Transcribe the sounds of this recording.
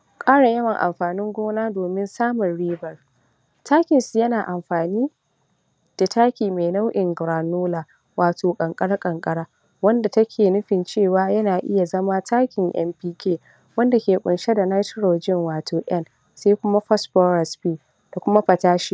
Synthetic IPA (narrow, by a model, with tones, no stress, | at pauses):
kʼaː˦ɽa˨jɐ˦wɐ˨ŋʔa̰˨mɸaː˨nɪ˦ŋɡʷoː˦naː˦doː˨mɪ˦nsaː˦mʊ˨nɽiː˦bɐ˨r | tʰaː˦kʲɪ˨nsu˨jɐ˦naː˨ʔa˨mɸaː˨niː˦ | d̥a˨taː˦kʲiː˨me˨na˦wʔɪ˨ŋɡɾaː˨noː˦laː˨ | waː˨toː˨kʼɐ˨ŋkʼɐ˦ɽa˦kʼɐ˨ŋkʼɐ˦ɽaː˦ | wɐ˦nda˨tɐ˦kʲʰeː˨nʊ˦ɸɪ˨nt͡ʃeː˦˨waː˦jɐ˦naː˨ʔɪ̰˦ja˨zɐ˦ma˦tʰaː˦kʲɪ˨ŋʔɛ̰˦mpiː˦kʲeː˦ | wɐ˦nda˨kʲeː˨kʷʼʊ˨nʃe˦da˨na˦tɪ˦ɾo˨d͡ʒɪ˦ŋwaː˨tʰoː˨ʔɐ˦n | sa˦kʷʊ˦ma˦ɸɐ˦sɸɔ˦ɾɐ˨spiː˦˨ | d̥a˨kʷʊ˦ma˦ɸɐ˨taː˦ʃi˦